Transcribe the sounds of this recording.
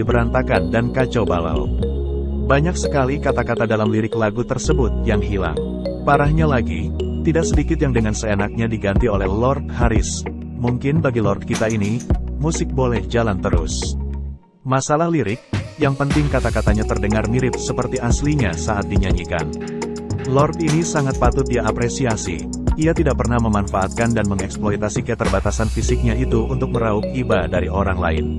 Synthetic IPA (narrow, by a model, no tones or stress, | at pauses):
dibəɾant̪akandankat͡ʃawba̰la̰w | baɲak̚səkalikat̪akat̪adalamliɾɪklaɡut̪ərsəbʊt̪̚jaŋɦila̰ŋ | paɾahɲalaɡḭt̪idaksədikɪt̪̚jaŋdəŋansəenak̚ɲadiɡant̪iolɛhlɔrt̪̚haɾɪs | muŋkɪnbaɡilɔrt̪̚kit̪ainimusɪk̚bolɛhd͡ʒalant̪əɾʊ̰s | masalahliɾɪk̚jaŋpənt̪ɪŋkat̪akat̪aɲat̪ərdəŋarmiɾɪt̪̚səpərt̪iasliɲasaʔat̪̚diɲaɲika̰n | lɔrt̪inisaŋat̪̚pat̪ʊt̪̚diapɾesiasḭ | iat̪idaʔpərnahməmanfaʔat̪̚kandanməŋɛksploit̪asikət̪ərbat̪asanfisɪk̚ɲait̪uunt̪ʊk̚məɾaʊk̚ibadaɾioɾaŋla̰ɪ̰n